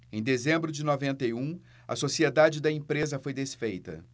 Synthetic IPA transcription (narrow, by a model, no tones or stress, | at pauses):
ẽj̃d̪ezẽmbɾʊd͡ʒɪnovẽnt̪ejũ | ɐ̰sosied̪ad͡ʒɪd̪ɐẽpɾezɐfojd̪esfejt̪ɐ̰